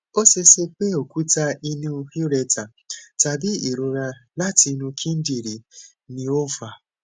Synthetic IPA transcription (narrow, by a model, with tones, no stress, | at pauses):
o˦se˧se˧k͡pe˦o˨ku˦ta˧i˧nũ˦˧hi˦ɾɛ˧ta˨ | ta˨bi˦i˨ɾo˨˧ɾa˧la˦ti˧nũ˧kʰĩ˦n̩˦di˦˨ɾi˨ | nĩ˧o˦fa˧